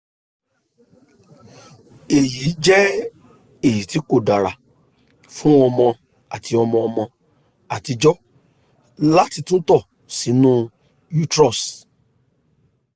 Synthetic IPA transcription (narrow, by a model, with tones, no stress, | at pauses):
e˨ji˨˦d͡ʒɛ˦ | e˦˨ji˨ti˨˦ko˦˨da˨ɾa˨ | fũ˦ɔ˧mɔ̃˧ | a˨ti˧ɔ˧mɔ̃˧ɔ˧mɔ̃˧ | a˨ti˧d͡ʒɔ˦ | la˦ti˧tũ˦tɔ˦˨ | si˨˦nũ˦ | ju˦tɾɔ˦˨s